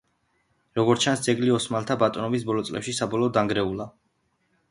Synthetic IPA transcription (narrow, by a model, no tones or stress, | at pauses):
ɾɔɡɔɾt͡ʃʰansd̪zɛɡliɔsmalt̪ʰabat̪ʼɔnɔbisbɔlɔt̪sʼlɛ̰pʃisabɔlˠɔːd̪aŋɡɾɛulˠa